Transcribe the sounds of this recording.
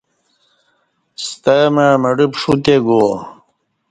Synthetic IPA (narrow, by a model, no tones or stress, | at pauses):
st̪amaːmɐɖipʂut̪eɡo